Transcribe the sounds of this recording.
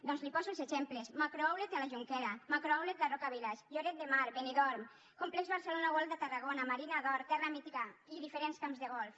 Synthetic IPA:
d̪ɔnzlipɔzuelˠzeʃemplesmakɾoawlet̪alaʒuŋkɛɾamakɾoawlet̪d̪arokaβilaʃʎoɾet̪̚d̪emaɾbeniðɔɾm | komplɛkzβaɾselonaɣɔlfd̪et̪araɣ̞onamaɾinaðɔɾt̪ɛramit̪iɣaiðifeɾenskamzðeɣɔlf

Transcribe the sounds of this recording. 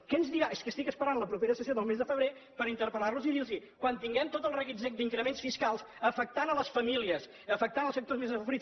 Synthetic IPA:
kɛnzðiɾaʔeskəst̪ikəspəɾanləpɾupeɾəsəsjoðəlˠmezðəfəβɾe | pəɾint̪əɾpəlarluziðilˠzikwant̪iŋɡɛmt̪ot̪əlˠrəɣized̪iŋkɾəmensfiskalˠsəfək̚t̪anələsfəmiliəs | əfək̚t̪anəlˠsəkt̪ozmezəɾis

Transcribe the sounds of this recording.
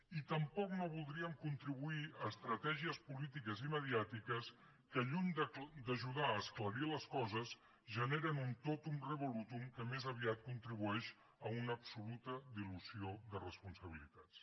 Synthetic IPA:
it̪əmpɔknoβulˠd̪ɾiəmkunt̪ɾiβuiəːst̪ɾət̪ɛʒiəspulit̪ikəziməðiat̪ikəs | kəʎuɲd̪əʒuðaːskləɾiləskɔzəz | ʒəneɾənunt̪ot̪umrəβulut̪umkəmezəβiat̪̚kunt̪ɾiβuɛʃ | əunəːpsulut̪əd̪iluzioðərəspunsəβ̞ilḭt̪at͡s

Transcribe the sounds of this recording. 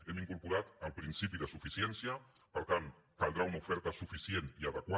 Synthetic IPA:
emiŋkuɾpuɾat̪əlpɾinsipiðəsufisjensja | pəɾt̪ant̪ | kalˠd̪ɾaunaufɛɾt̪asufisjeniaðəkwa

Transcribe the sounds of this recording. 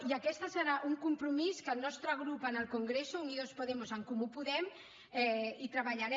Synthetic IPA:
iəkɛst̪əsəɾaʔuŋkumpɾumiskəlnɔst̪ɾəɣ̞ɾupənəlˠkuŋɡɾesuuniðospuðemuzəŋkumupuðɛm | ɛit̪ɾəβaʎaɾɛ

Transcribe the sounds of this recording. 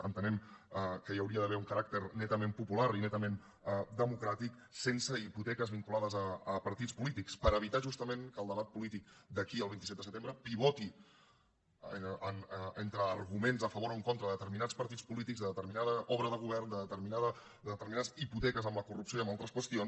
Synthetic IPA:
ə̰nt̪ənɛməkəjəwɾiəðəβɛuŋkəɾak̚t̪əɾnɛt̪əmempupulaɾinɛt̪əmen | d̪əmukɾat̪ik | sensəiput̪ɛkəzβiŋkulaðəzəːpəɾt̪it͡spulit̪ikspəɾəβit̪aʒust̪əmenkəlˠd̪əβat̪̚pulit̪ik̚d̪əkiəlˠβint̪isɛt̪d̪əsət̪embɾəpiβɔt̪i | ənent̪ɾəːɾɣumenzðəfəβ̞oɾoəŋkont̪ɾəðət̪əɾminaspəɾt̪it͡sspulit̪iɡzðəðət̪əɾminaðəɔβɾəðəɣ̞uβɛɾnd̪əðət̪əɾminaðə | ət̪əɾminaziput̪ɛkəzəmləkurupsioiəmalˠt̪ɾəskwəst̪ions

